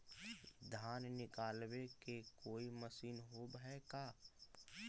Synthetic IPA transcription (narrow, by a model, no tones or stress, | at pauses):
d̪ʱaːnnɪkaːlwekekoːiməsiːnɦoːbɦɛkaː